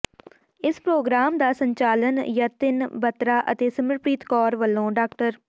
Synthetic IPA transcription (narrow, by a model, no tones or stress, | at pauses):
ɪspɾoːɡɾaːmd̪aːsəɲt͡ʃaːlənjaːt̪ɪnbət̪ɾaːʔə̰t̪eːsəməɾpɾiːt̪kɔːɾʋəlːõːɖaːkʈəɾ